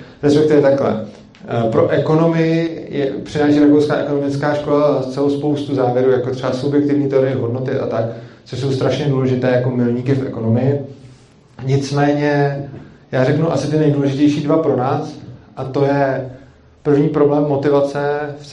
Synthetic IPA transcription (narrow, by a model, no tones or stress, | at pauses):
ɾɛspɛkt̪ɪvɛt̪aklɛ̰ | pɾo̞ʔɛko̞no̞mɪjɪjʔɛ̰pr̝̥ɪnaːʃiːɾakowskaːʔɛko̞no̞mɪt͡skaːʃko̞last͡sɛlowspo̞wst̪uzaːvjɛɾuːjakot̪r̥ɛbasubjɛk̚t̪ɪvɲiːt̪ɛo̞ɾɪjɛɦo̞dno̞t̪ɪʔa̰t̪aktt͡soʃs̬o̞wst̪ɾaʃɲɛduːlɛʒɪt̪ɛːjako̞mɪlɲiːkɪfʔɛ̰ko̞no̞mɪjɪ | ɲɪt͡smɛːɲɛ | jaːrɛknuʔa̰sɪt̪ɪnɛjduːlɛʒɪcɛjʃiːdvapɾo̞naːsʔat̪o̞jɛ | pr̩vɲiːpɾo̞blɛːmːo̞t̪ɪvat͡sɛf